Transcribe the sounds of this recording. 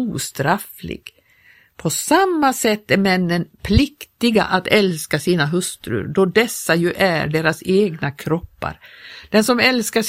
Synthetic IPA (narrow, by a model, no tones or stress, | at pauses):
uːst̪ɾaflɪ̰ɡ̥ | pʰɔsamːasɛt̪ːæɾmɛnːənpʰlɪkt̪ɪɡa̰ʔat̪ɛlskasiːnaɦɵst̪ɾɵ̰ɖ̪ɔd̪ɛsːajɵʔæɖeːɾaseːɡnakʰɾɔpːa̰ɾd̪̥ɛnsɔmɛlskaʂ